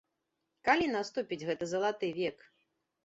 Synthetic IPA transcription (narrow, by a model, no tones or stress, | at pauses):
kalʲinast̪upʲid͡zʲɣɛt̪ɐzɐlˠat̪ɨvʲɛk